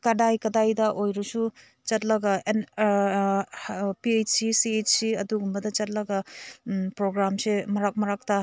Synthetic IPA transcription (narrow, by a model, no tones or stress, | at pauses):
kɐdajkɐdajdɐʔojɾusu | t͡ʃɐt̚lɐɡɐen | piet͡ʃsisiet͡ʃsiɐduɡumbɐdɐt͡ʃɐt̚lɐɡɐ | pɾoɡɾamsemɐɾak̚mɐɾak̚ta